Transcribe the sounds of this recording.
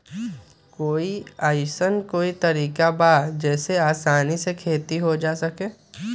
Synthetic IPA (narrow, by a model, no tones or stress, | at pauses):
koːiaːjsənkoːit̪ɐɾiːkabaːdd͡ʒɛːseaːsaːnisekʰeːt̪iɦod͡ʒaːsɐkẽː